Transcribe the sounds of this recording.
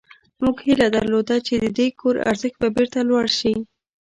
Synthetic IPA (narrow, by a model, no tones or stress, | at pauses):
muɡhilad̪aɾlod̪at͡ʃed̪əd̪ekʰoɾa̰ɾzəxt̪̚babeɾt̪alwaɽʃi